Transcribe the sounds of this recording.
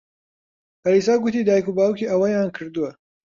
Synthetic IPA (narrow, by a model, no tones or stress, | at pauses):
hɐɾisaːɡʊt̪iːd̪aːjkubaːwukiʔɐwɐjaːnkʰɨɾd̪uwɐ